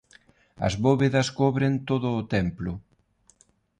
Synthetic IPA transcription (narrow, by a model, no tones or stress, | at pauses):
ɐ̰zβoβeðɐskɔβɾent̪oðʊːt̪ɛmplʊ